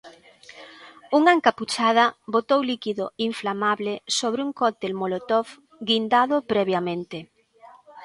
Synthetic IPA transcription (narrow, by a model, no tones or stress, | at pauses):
uŋaeŋkaput͡ʃaðɐbot̪owlikiðoiɱflamaβlesoβɾɪuŋkɔt̪elmolot̪ɔf | ɡind̪aðʊpɾɛβjamẽnt̪e